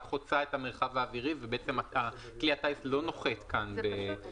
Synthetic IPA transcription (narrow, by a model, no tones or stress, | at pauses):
χot͡sae̞tameʁχavaːviʁivebeet͡se̞maa | kliataislo̞no̞χet̪kanbe